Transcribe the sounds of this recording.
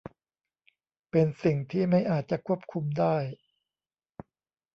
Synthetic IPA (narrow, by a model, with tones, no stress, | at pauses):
pe˧nsi˨˩ŋt̪ʰiː˥˩ma˥˩jʔaː˨˩t̪̚t͡ɕa˨˩kʰu˥˩əp̚kʰu˧mdaː˥˩j